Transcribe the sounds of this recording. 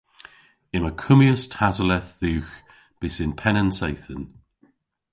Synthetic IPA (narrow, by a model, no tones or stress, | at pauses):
ɪməkʰʊmjəstʰazəlɛθðʉwx | b̥ɪsɪnpʰɛnənsejθən